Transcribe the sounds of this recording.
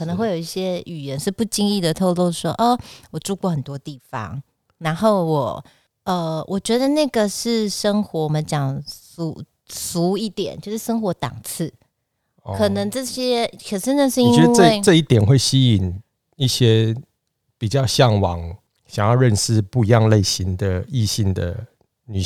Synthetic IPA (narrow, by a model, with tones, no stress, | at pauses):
kʰə˨˩nə˧ŋwe˥˩ɪjo˨˩˨i˥˩ɕjɛ˥y˨˩jɛ˧˦nʂɻ̩˥˧pu˥˩t͡ɕi˥ŋi˥˩d̪ə˩t̪ʰo˥˧ʊlo˥˧ʊʂwɔ˥ʔə˧˩wɔ˨˩ʈ͡ʂu˥˧kwɔ˥˩xə˨˩nt̪wɔ˥t̪i˥˩fɑ̰˧˥ŋ | na˧˥nxo˥˩ʊwɔ˨˩ | ə˧wʔɔ˨˩t͡ɕɥɛ˧˥d̪ə˧na˥˩ɡə˨ʂɻ̩˥˩ʂə˥ŋxwɔ˧˥wɔ˨˩mə˦nt͡ɕjɑ˨˩ŋsu˨˥˦ | su˧˥i˥˩t̪jɛ̰˨˩˦nt͡ɕjo˥˧ʊʂɻ̩˥˩ʂɤ˥ŋxwɔ˧˥t̪ɑ̰˨˩ŋt͡s̩ʰ˥˩ | kʰɤ˨˩nə˧˥ŋʈ͡ʂɤ˥˩ɕjɛ˥kʰə˨˩ʂɻ̩˥˧na˥˩ʂ̩˥˧˨i˥ŋt͡ɕɥɛ˧˦d̪ŋə˧˥˩ɪʈ͡ʂɤ˥˧i˥˩t̪jɛ˨˩nxwe˥˩ɪɕi˥i˨˩n | i˥˩ɕjɛ˦ | pi˨˩t͡ɕjɑ˥˧ʊɕjɑ˥˩ŋwɑ̰˨˦ŋ | ɕjɑ˨˩ŋjɑ˥˧ʊɻə˥˧nʂɻ̩˥˧pu˥˧i˧jɑ˥˧ŋle˥˩ɪɕi˧˦nd̪ə˨i˥˧ɕi˥˩ŋd̪ə̰˩ | ny˨˩